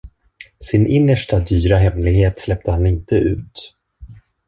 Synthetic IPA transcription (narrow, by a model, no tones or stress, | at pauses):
sɪnʔɪnːəʂʈad̪yːɾaɦɛmlɪɡheːt̪slɛp̚t̪əhanɪnt̪əʔʉ̟ːt̪